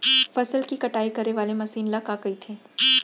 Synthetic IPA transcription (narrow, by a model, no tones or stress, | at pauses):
fɐsəlkikɐʈaːikɐɾeʋaːlemɐsiːnlɐkaːɡɐit̪ʰeː